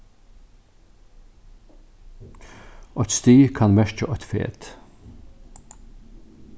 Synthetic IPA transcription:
ʔɔt̪st̪iːkʰɑnmɛʃt͡ʃəʔɔt̪fḛːt̪

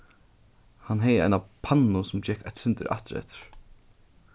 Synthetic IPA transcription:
hanɦɛjəa̰jnapʰanːʊsʊmt͡ɕɛhkajt̪sɪnt̪ɪ̰ɾa̰ht̪ɪɾɛ̰ht̪ɪ̥ɾ̥

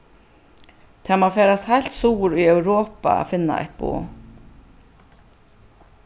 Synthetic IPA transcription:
t̪ʰɛːmaːfɛːɾast̪hajlt̪suːɾʊjœwɾoːpa̰a̰fɪnːa̰ɛ̰ht̪̚bṵː

